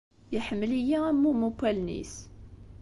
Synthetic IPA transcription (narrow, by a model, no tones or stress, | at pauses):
jəħəmːəlijææmːumukːælnḭs